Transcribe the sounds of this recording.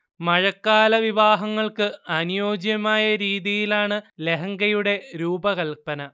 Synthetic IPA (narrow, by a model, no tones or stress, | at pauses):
mɐɻɐkːaːlɐʋiʋaːɦɐŋːɐɭkɨɐnijoːd͡ʑjɐmaːjɐɾiːðijilaːɳɨle̞ɦɐŋɡɐjuɽe̞ɾuːbɐɣɐlpɐnɐ